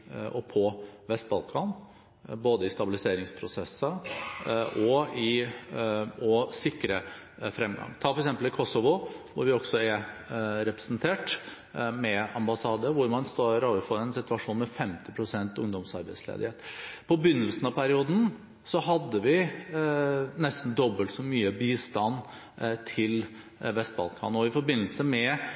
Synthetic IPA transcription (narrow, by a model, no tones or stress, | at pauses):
ɔpʰɔʋɛst̪̚bɑlkʰɑn | boːd̪əɪst̪ɑbɪlɪseːɾɪŋspʰɾʊsɛsːə | ʔɔɪ | ɔsɪkːɾəfɾɛmɡɑ̰ŋt̪ʰɑːfɔɾɛksɛmpəl̩ɪkʰɔsɔʋʊʋʊɾʋɪɔɡ̥sɔæɾɾɛpɾɛsnt̪ʰeːʈ | mɛɑmbɑsɑːd̪əʋʊɾmɑnst̪oɾoːʋəɾfɔɾɛnsɪt̪ʉɑʂuːnmɛfɛmt̪ɪpʰɾʊsɛnt̪ʊŋd̪ɔmsɑ̰ɾbɛɪslḛːd̪ɪheːt̪pʰɔbʏnːəlsn̩ɑpʰæɾɪuːd̪n̩ | sɔhɑd̪ːəʋɪ | nɛst̪n̩d̪ɔbːəlt̪sɔmyːəbiːst̪ɑn | t̪ʰɪl | ʋɛst̪̚bɑ̰lkʰɑ̰ːnɔɪfɔɾbɪnːəlsəmɛ